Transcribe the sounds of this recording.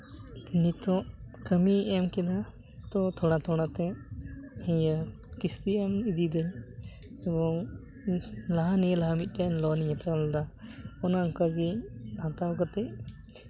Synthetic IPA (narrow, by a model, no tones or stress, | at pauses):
nit̪ɔ̃ʔkəmiɛmkɛla | t̪ɔt̪ʰɔɽ̃at̪ʰɔɽ̃at̪ɛ̃ | hɛ̃ja | kist̪iɛmid̪id̪ɛj | ɛbɔŋ | laɦanijəlaɦamit̪̚ˀdɛnlɔniɲat̪ʰɛɔld̪aɔnaŋkaɡihãt̪awkat̪ɛʔ